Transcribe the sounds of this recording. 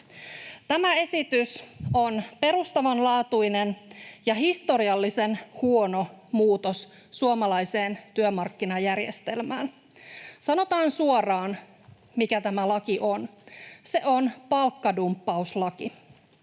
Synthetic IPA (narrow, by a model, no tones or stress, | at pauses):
t̪æmæe̞sit̪yso̞npe̞ɾust̪ɑʋɑnlɑːt̪ujne̞njɑɦist̪o̞ɾiɑlːisenhuo̞no̞muːt̪o̞sː | uomɑlɑjse̞ːnt̪yømɑrkːinɑjærjḛst̪e̞lmæ̰ːn | sɑno̞t̪ɑːnsuorɑːn | mikæt̪æmælɑkiʔo̞nse̞ʔo̞npɑlkːɑdumpːɑuslɑki